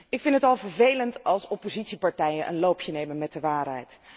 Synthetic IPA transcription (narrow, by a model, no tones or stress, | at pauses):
ɪkfɪntɦətɑlˠvəɹvejləntɑlˠsɔpozitsipɑɹtɛjənʔə̰nlowpʰjənejmənmɛt̚dəʋaːrɦɛ̰jt